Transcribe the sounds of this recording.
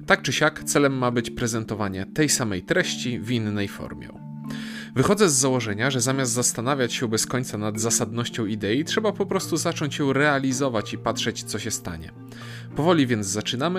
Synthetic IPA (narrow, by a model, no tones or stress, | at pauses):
t̪ak̚t͡ʂɘɕakt̪sɛlɛmːabɘt͡ɕpɾɛzɛnt̪ɔvaɲɛt̪ɛjsamɛjt̪ɾɛɕt͡ɕivʲinːɛjfɔ̰ɾmʲjɛ̰ | vɘxɔd̪zɛzːawɔʐɛɲaʐɛzamʲjas̬t̪zast̪anavʲjat͡ɕɕɛbɛskɔɲʲt̪sanad̪zasad̪nɔɕt͡ɕɔ̃w̃id̪ɛjitʂɛbapɔpɾɔst̪uzat͡ʂɔɲt͡ɕjɔ̃w̃ɾɛalʲizɔvat͡ɕipatʂɛt͡ɕt̪sɔɕɛst̪a̰ɲɛ̰ | pɔvɔlʲivʲjɛnzat͡ʂɘnamɘ